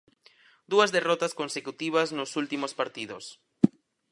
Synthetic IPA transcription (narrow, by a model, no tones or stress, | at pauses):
d̪uazðerɔt̪askonsekut̪iβ̞aznosult̪imospaɾt̪iðos